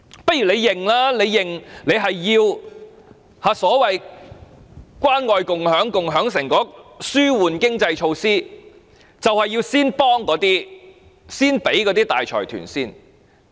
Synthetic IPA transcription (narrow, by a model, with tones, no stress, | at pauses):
pɐ˥t̚jɥyː˨˩le˨˧jːɪ˨˩ŋlaː˥le˨˧jːɪ˨˩ŋle˨˧jɦɐ˨jːiː˧w | haː˨˧sɔː˨˥wɐ˨j | kʷwaː˥nŋɔː˨˧jkʊ˨ŋhœː˨˥ŋkʊ˨ŋɦœː˨˥ŋsɪ˨˩ŋkɔː˨˥syː˥wuː˨nkɪ˥ŋt͡sɐ˧jt͡ʃʰo˧wsiː˥ | t͡sɐ˨whɐ˨jːiː˧wsiː˥npɔː˥ŋkɔː˨˥t̪iː˥ | siː˥npe˨˥jkɔː˨˥t̪iː˥t̪a̰ː˨jt͡ʃʰɔ̰ː˨˩jt̪ʰy̰ː˨˩nsiː˥n